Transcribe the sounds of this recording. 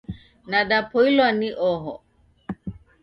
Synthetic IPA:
naɗapʰɔilwaniʔɔɦɔ̰

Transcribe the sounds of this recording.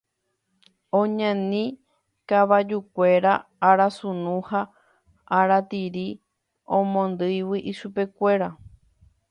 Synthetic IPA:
õɲãnĩ | kaβad͡ʒukʷe̞ɾaːɾasũnũha | aɾat̪iɾi | õmõnd̪ɨjwiʔiʃupe̞kʷe̞ɾa

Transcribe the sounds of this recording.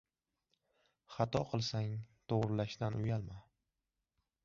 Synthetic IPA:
χɑt̪ʰɒqʰɨlˠsaŋt̪ʰoʁɾɪlaʃd̪anʊjalma

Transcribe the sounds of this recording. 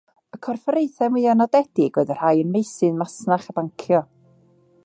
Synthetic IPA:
əkʰɔrfəɾejθɛmwɪanɔdɛdɪɡ̥wɛdərhajənmejsɨnmasnaχab̥aŋkʰjɔ

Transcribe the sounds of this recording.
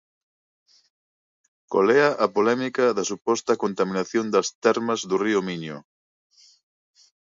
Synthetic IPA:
ko̰leɐʔɐpolɛmikɐðɐsupɔst̪ɐkont̪ɐminaθjond̪ɐst̪ɛɾmɐzðuriominjṵ

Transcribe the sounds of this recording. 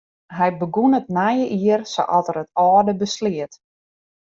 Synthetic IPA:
ɦɛjbəɡunətnajəʔiərso̰ʔɔtərətɔːdəbəslɪət

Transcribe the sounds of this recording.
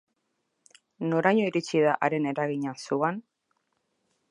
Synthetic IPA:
no̞ɾajɲo̞iɾit͡ʃiðaʔaɾe̞ne̞ɾaɣiɲasuan

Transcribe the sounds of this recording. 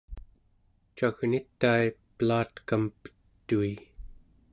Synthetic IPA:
t͡ʃaɣnit̪ːaiplaːt̪kampə̥t̪ːui

